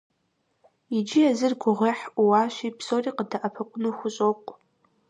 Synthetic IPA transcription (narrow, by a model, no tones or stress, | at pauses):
id͡ʒiazɨrɡʷʊʁʷeħuwaʃʷipʰsoriqʼdaʔapʰakʷʼʊnɨxʷʊɕʷʼoqʷʼ